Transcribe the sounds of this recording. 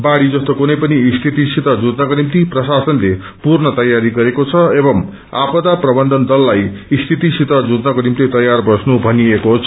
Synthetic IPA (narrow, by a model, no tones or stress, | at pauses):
baɽid͡zʌst̪okunʌjpʌnist̪ʰit̪isit̪ʌd͡zud̪nʌkonimt̪iprʌsasʌnle | purnʌt̪ʌjaɾiɡʌɾekot͡sʰʌebʌm | a̰pʌd̪aprʌbʌnd̪ʱʌnd̪ʌlːajist̪ʰit̪isit̪ʌd͡zud̪nʌkonimt̪it̪ʌjarbʌsnubʱʌniekot͡sʰ